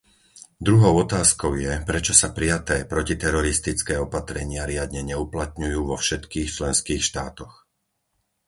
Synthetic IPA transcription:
d̪ɾuɦɔʊɔt̪aːskɔʊjɛpɾɛt͡ʃɔsapɾijat̪ɛːpɾɔcit̪ɛɾɔɾist̪it͡skɛːɔpat̪ɾɛɲɪaɾɪad̪ɲɛɲɛuplat̪ɲujuːʋɔfʃɛt̪kiːxt͡ʃlɛnskiːxʃt̪aːt̪ɔx

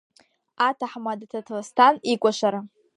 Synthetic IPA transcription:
atʰaħmadtʰatʰlastʰanikʷʼaʃʷaɾa

